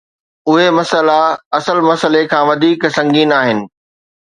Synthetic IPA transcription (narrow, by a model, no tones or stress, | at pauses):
ʊɦemɐsəlaɐsəlmɐsəlekʰãːʋɐd̪ʱiːksɐ̃ŋɡiːnaːɦɪnɪ̆